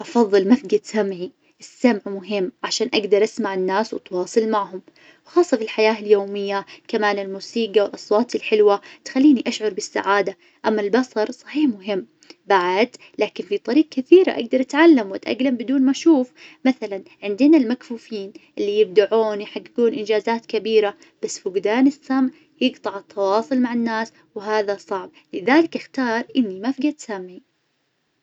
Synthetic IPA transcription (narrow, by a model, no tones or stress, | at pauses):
ʔɑfɑðˤːɨlmafɡad̪samʕi | ʔɪsːamʕmʊɦɪmːʕaʃaːnʔaɡd̪ɑɾˤʔasmaʕɪnːaːswɪt̪wɑːsˤɨlmaʕhʊm | wxɑːsˤːɑfilħajaːɪljoːmɪjːakamaːnɪlmuːsiːɡawɪlʔɑsˤwɑːt̪ɪlħɪlwat̪xalːiːniʔaʃʕʊɾˤbɪsːa̰ʕaːd̪a | ʔamːalbɑsˤɑɾˤsˤɑ̥ħiːħmʊɦɪmː | baʕad̪ | laːkɪnfit̪ˤɑɾiːɡ̚kɪθiːɾa̰ʔa̰ɡ̚d̪ɑɾˤʔat̪ʕalːamwʔat̪ʔa̰ɡlambɪd̪uːnmaʃuːfmaθalanʕɪnd̪ɪnalmakfuːfiːnʔɪlːijɪb̚d̪aʕuːnwjħaɡːɪɡuːnʔɪnd͡ʒaːzaːt̪kabiːɾa | b̥asːfʊɡd̪aːnɪsːamʕ | jɪɡt̪ˤɑʕɪt̪ʰːɑwɑːsˤʊlmaʕanːaːs | wɪɦaːðasˤɑʕb̚ | lɪðaːlɪkʔɪxt̪ɑːɾˤʔɪnːimafɡat̪samːi